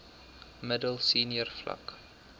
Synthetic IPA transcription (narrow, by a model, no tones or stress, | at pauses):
mədəlˠsiːniərflɐ̰k